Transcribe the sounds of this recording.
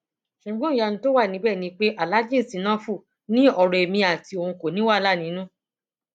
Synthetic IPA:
ʃu˨˦ɡ͡bɔ̃˦˨ja˧n̩ĩ˧˦to˦wa˦˨nĩ˨˦bɛː˦˨nĩ˧k͡pe˦ʔa˨la˨˦d͡ʒĩ˦˨si˨˦nã˦fu˦˨ | nĩ˦ɔ˧ɾɛ˨e˨mĩ˧a˨ti˧o˧hũ˧ko˨nĩ˨˦wa˦˨la˦˨nĩ˨˦nũ˦

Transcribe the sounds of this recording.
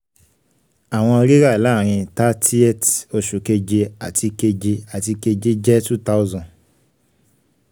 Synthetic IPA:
a˨w̃ɔ̃˧ɾi˦ɾa˦˨la˦˨ɾ̃ĩ˧ta˦tʰi˦ɛ˦˨to˧ʃu˨ke˧d͡ʒe˧a˨tʰi˧ke˧d͡ʒe˧a˨ti˧ke˧d͡ʒe˦d͡ʒɛ˦tu˦ta˦o˦zɔ̃˨

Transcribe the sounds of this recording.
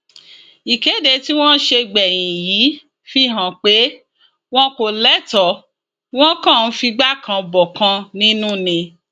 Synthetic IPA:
i˨ke˨˦de˧ti˦w̃ɔ̃˦ʃe˧ɡ͡bɛ˨j̃ĩ˨ji˨˦ | fi˧ɦã˨k͡pe˨˦ | w̃ɔ̃˦ko˨lɛ˦tɔ˨ | w̃ɔ̃˦kã˦˨˦fi˧ɡ͡ba˦˨kʰã˧bɔ˨kã˧nĩ˦nũ˦nĩ˧

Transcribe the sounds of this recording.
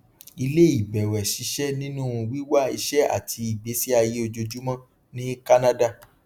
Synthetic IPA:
i˧le˦i˦˨bɛ˨wɛ˨ʃi˨˧˦ʃɛ˦nĩ˦nũ˦˧wi˦wa˦˨i˧ʃɛ˦a̰˨tʰi˨˧i˨be˨˦si˦a˧je˦o˧d͡ʒo˧d͡ʒu˦mɔ̃˦ | nĩ˦ka˦nã˦da˦˨

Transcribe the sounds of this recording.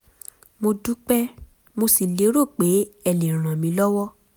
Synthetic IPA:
mo˧du˦k͡pɛ˦ | mo˧si˨le˨˦ɾo˦˨k͡pe˨˦ɛ˦˨le˨ɾ̃ã˨mĩ˨˦lɔ˦wɔ˦

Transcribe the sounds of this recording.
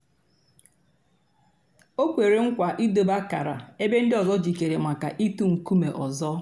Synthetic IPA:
o˦kʷe˨ɾe˨ŋ̩˦kʷa˨ʔi˦do˨ba˦ka̰˨ɾa̰˨e˦be˦n̩˦dɪ˦ɔ˨zɔ˦d͡ʒi˨ke˨ɾe˨ma˨ka˨ʔi˦tu˦ŋ̩˨ku˦me˨ʔɔ˨zɔ˦

